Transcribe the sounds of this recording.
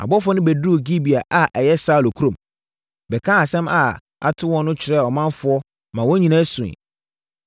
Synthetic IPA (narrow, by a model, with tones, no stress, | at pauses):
a̰˨bɔ˦fɔ˦nɪ̃˦bæ˨du˦o˨ɡi˦bi˨a˨ʔa˨ʔɛ˨jɛ˦saː˦˨lo˨kʰu˦ɾõ˨m | bɛ˨kʰã˦a˨sɛ̃˦ma̰˨ | a̰˨tʰʊ˦wɔ̃˦nːʊ̃˦t͡ɕʰɪ˨ɾɛ˦˨ɔ˨mã˦nfʊ˨˦ɔ˦ | mã˨wɔ̃˦ɲĩ˨nã˦sʊ̃˨ḭ̃˨